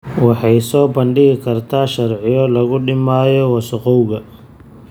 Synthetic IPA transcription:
wɑħɑjsɔːbɐɳɖɪɣɪkʰɐrt̪ʰaːʃɐrʕɪjɔlɐɣʊɖɪmaːjɔwɐsʊqɔwɣɐ

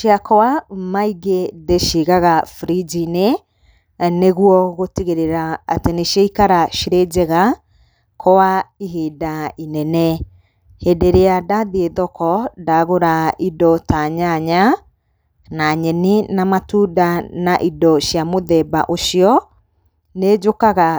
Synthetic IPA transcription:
ʃjakɔwamaiɡeðeʃiɣaɣafɾid͡ʒine | neɣuɔɣotiɣeɾeɾaa̰teneʃiaikaɾaʃiɾed͡ʑɛɣa | kʰɔwaiɦiːdainɛnɛ | hedeɾeadaðieðɔkɔdaɣoɾaidɔtaɲaɲa | naɲɛninamatuːdanaʔidɔʃjamoðɛba̰ʔoʃiɔ | ned͡ʒokaɣa

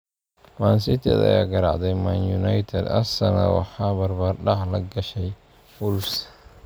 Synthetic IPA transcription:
maːnsɪt̪ʰɛd̪ɐ̰ja̰ːɡɐɾɑʕd̪ɛjmanjunajt̪ʰɛd̪ɐ̰sɐnɐ̰wɑ̰ħɑːbɐrbaːrɖɑħlɐɡɐʃɛj | buls

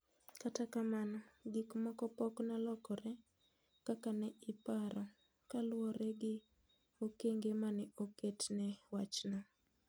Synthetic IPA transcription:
katakamanɔɡikmakɔpɔknalɔkɔɾɛ | kakanɛɪpaɾɔ | kalwɔɾɛɡɪ | okeŋɡemanɛoketnɛwat͡ʃnɔ

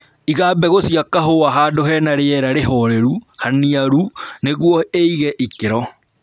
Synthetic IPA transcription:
iɣaːbɛɣosiakaɦoaɦaːdoɦɛnaɾeɛɾaɾeɦɔɾɛɾuhaniaɾuneɣwɔeiɣɛʔikeɾɔ

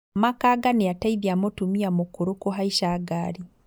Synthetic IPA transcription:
makaɡanijataiðjamotumiamokuɾukoɦaiʃaɡaɾi

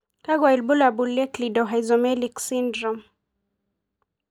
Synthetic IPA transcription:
taɡwailbulabulːɛklidɔɦajzɔmɛliksindɾɔm

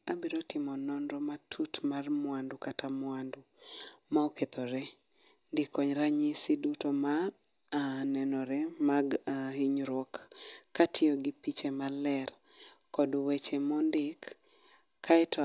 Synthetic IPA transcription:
abiɾotɪmɔnɔnɾɔmatʰutmarmwandukatamwandu | maoket̪ɔɾɛ | ndɪkɔɲɾaɲɪsidutoma | anɛnɔɾɛmaɡahiɲɾwɔkːatʰɪɔɡɪpit͡ʃemalɛr | kɔduwet͡ʃemɔndɪkːʰ | aɛtʰɔ

